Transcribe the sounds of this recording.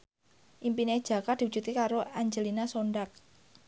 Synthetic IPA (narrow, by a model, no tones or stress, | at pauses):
ʔimpined̥ʒ̥ä̤kad̪̥iu̥d͡ʒ̥ṳt̪ikaɾoaɲd͡ʒəlinasoɳɖak̚